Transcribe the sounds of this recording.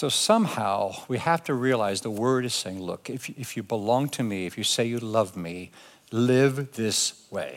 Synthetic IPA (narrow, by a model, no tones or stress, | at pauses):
soʊsʌ̃mhaʊwihæftʰɨɹiɨlaɪzðəwɜ˞ɾɨz̥seɪɪ̃ŋlʊ̰kɨfɨfjɨbəlɔ̃ŋtʰɨmiɨfjɨseɪjɨlʌvmi | lɪvðɪsweɪ